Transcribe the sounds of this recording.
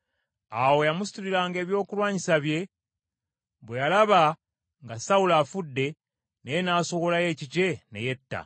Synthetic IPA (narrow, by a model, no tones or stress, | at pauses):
awo̞jamusi̥tuɾiɾaːŋɡe̞ːβjo̞ːkulwaːɲisaβje̞ | βwe̞jalaβa | ŋɡasaulaːfudːe̞ | nejenaːso̞βo̞laje̞ːcice̞ne̞̰je̞tːa̰